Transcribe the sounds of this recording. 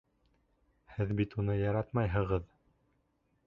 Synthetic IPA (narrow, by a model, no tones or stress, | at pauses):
hɘðbit̪unɤjɑɾɑt̪mɑjɦɤ̆ʁɤð